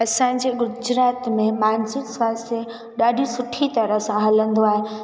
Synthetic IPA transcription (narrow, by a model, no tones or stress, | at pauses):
ɐsãɪ̃ɲd͡ʑeːɡʊd͡ʑɾaːt̪mẽmaːnzɪksʋaːse | ɗaːɖʱisʊʈʰit̪ɐɾəɦsãɦɐlə̃nd̪oaːɦe